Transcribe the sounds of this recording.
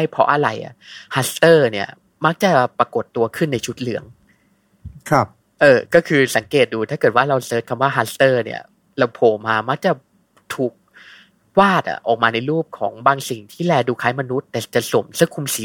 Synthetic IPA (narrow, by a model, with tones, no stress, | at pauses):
a˥˩jpʰɔ̰˦˥ʔa˧ɾa˧jʔa̰˨˩haː˦˥st̪ɤː˥˩ni˥˩ɐ | ma˦˥k̚t͡ɕa˨˩pɾa˧ko˨˩t̪ːu˧ɐkʰɯ˥˩nːa˧jt͡ɕʰu˦˥t̪̚lɯ˩˦əŋ | kʰa˧˥˩p̚ | ʔɤː˧˩kɔː˥˩kʰɯː˧sa˩˦ŋkeː˨˩t̪̚duː˧t̪ʰaː˥˩kɤː˨˩t̪̚waː˥˩ɾa˧wsɤː˦˥t̪̚kʰa˧mwaː˥˩ɦaː˦˥st̪ɤː˥˩nḭ˥˩ɐ̰ | ɾa˧wpʰoː˨˩maː˧ma˦˥k̚t͡ɕa˨˩ | t̪ʰuː˨˩k̚ | waː˥˩t̪̚ʔa̰˨˩ʔɔː˨˩k̚maː˧na˧jɾuː˥˩p̚kʰɔː˩˦ŋbaː˧ŋsi˨˩ŋt̪ʰiː˥˩lɛː˧duː˧kʰaː˦˥jma˧nu˦˥t̪ːɛː˨˩t͡ɕa˨˩so˨˩˦msɯ˥˩˨ŋkʰu˧msiː˩˦